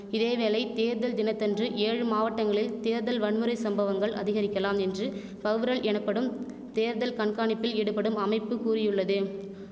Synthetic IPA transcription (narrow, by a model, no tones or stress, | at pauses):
ɪðeːʋeːlɐɪt̪eːɾðɐld̪ɪnɐt̪ːɐndrɯʔeːɻɯmaːʋɐʈːɐŋɡɐɭɪlt̪eːɾðɐlʋɐɳmɯɾɐɪsɐmbɐʋɐŋɡɐɭʔɐ̰ðɪɣɐɾɪkʲːɐlaːmɛndrɯ | fɐɣʋɯɾɐɭʔɛnɐpːɐɽɯm | t̪eːɾðɐlkɐɳkaːɳɪpːɪlɛɽɯpːɐɽɯmɐmɐɪpːɯkuːrɪjɯɭːɐðɯ